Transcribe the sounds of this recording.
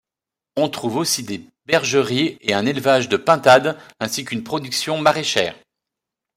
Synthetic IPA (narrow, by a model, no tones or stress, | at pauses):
ɔ̃t̪χuvosid̪e | bɛʁʒəʁieɛ̃nelvaʒd̪əpɛ̃t̪ad̪ɛ̃sikynpχɔd̪yksjɔ̃maʁeʃɛ̰ːʁ